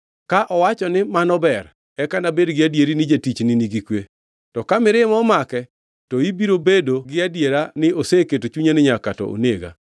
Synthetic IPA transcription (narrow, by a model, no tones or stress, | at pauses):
kaʔɔwat͡ʃɔnɪmanɔbɛr | ɛkanabedɡɪadjeɾinɪd͡ʒatit͡ʃnɪniɡikwe | tɔkamɪɾɪmɔmakɛ | tɔibiɾobedoɡɪadjeɾanɪoseketot͡ʃuɲanɪɲakatɔ̰ʔo̰neɡa̰